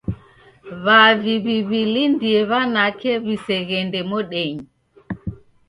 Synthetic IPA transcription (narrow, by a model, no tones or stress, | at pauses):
βaviβiβilindiɛβanakɛβisɛɣɛndɛmɔɗɛɲ